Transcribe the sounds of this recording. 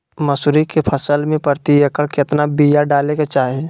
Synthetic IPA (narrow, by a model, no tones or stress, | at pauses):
məsʊɾikepʰəsəlmẽpəɾt̪iəkəɭkɪt̪nabijaɖaːleket͡ʃaːɦe